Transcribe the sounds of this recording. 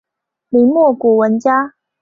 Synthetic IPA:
li˧˥ŋmwɔ˥˩kwɔ˨˩wə˧˦˥nt͡ɕja˥

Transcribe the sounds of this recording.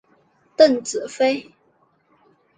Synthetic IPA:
t̪ə˥˩nt͡sɹ̩˨˩fe˥ɪ

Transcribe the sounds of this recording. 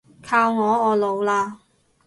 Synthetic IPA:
kʰaː˧wŋɔː˨˧ɔː˨˧lo˨˧wlaː˧

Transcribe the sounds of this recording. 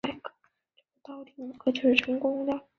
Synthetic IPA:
a˥˩ɪkə̥˥˩ | ʈ͡ʂɤ˥˩ɡə˧t̪ɑ˥˩ʊt̪i˨˩˨kʰɤ˥˩t͡ɕʂɻ̩˥˩ʈ͡ʂʰɤ˧˥ŋkʊ˥ŋd̪ə˨

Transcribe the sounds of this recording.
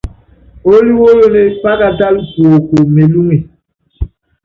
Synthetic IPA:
o˦li˦wo˦jo˦ne˦k͡pa˦ɡa˦da˦lɡo˨ko˨me˨lu˦ŋe˨

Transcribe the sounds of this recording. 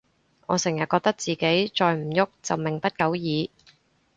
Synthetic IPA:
ŋɔ̰ː˨˧sɪ˨˩ŋjɐ˨t̚kɔ˧k̚t̪ɐ˥k̚t͡siː˨ke˨˥jt͡sɔː˧jm̩˨˩jʊ˥k̚t͡sɐ˨wmɪ˨˩ŋpɐ˥t̚kɐ˨˥wjiː˨˧

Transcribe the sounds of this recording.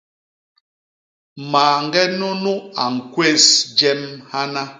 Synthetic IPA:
maː˨ŋ˦ɡɛ˦no˦nu˦a˨ŋ̩˨kwe˦˨sd͡ʒɛ˦mha˦na˦

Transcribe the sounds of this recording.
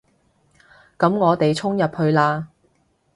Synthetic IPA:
kɐ˨˥mŋɔː˨˧t̪e˨jt͡sʰʊ˥ŋjɐ˨p̚hɵ˧ɥlaː˧

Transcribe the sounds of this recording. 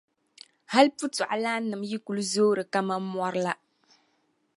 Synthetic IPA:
ha˦lpu˦tu˨a˨la˦nɨ˨mji˦ku˨lu˦zoː˦ɾɨ˨ka˦ma˦mɔ˦ɾɨ˦la˦

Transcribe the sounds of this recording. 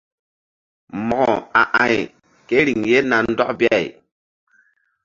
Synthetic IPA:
mɔ˨ɡɔ˨a̰˨ʔã˨j | ke˦ɾi˨ŋje˦na˨n˦dɔ˦kbi˦a˦˨j

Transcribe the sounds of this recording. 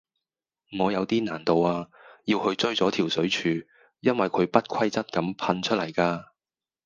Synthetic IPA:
ŋɔː˨˧jɐ˨˧wt̪iː˥naː˨˩nt̪o˨waː˧jiː˧whɵ˧ɥt͡ʃɵ˥ɥt͡sɔː˨˥t̪ʰiː˨˩wsɵ˨˥ɥt͡ʃʰyː˨˧ | jɐ˥nwɐ˨˩jkʰɵ˨˧ɥpɐ˥t̚kʰɐ˥jt͡sɐ˥t̚kɐ˨˥mpʰɐ˧nt͡ʃʰɵ˥t̚lɐ˨˩jkaː˧

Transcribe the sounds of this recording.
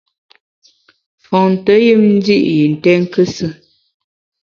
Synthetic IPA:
fɔ˨ŋn˨tə˨˦ji˦mn̩˦di˦ʔji˨n̩˨tɛ˦ŋ˦kə˦sə˦

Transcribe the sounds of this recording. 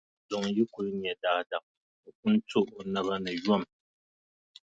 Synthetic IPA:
zo˨ŋ˨ji˦ku˨ɾɨ˦ɲ˨ɛ˨daː˦da˨ | o˨ku˦n˦to˦ʔna˦βa˦nɨ˨jɔ˦˨m

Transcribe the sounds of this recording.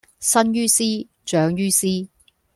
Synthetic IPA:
sɐ˥njyː˥siː˥ | t͡ʃœː˨˥ŋjyː˥siː˥

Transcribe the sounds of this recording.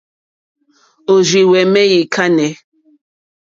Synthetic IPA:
o˨zi˨wɛ˨mɛ˦ji˨kʰa˦nɛ˨˦

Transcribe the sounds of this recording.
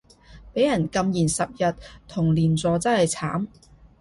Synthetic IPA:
pe˨˥jɐ˨˩nkɐ˧mjiː˨˩nsɐ˨p̚jɐ˨tt̪ʰʊ˨˩ŋliː˨nt͡sɔː˨˧t͡sɐ˥hɐ˨jt͡sʰaː˨˥m

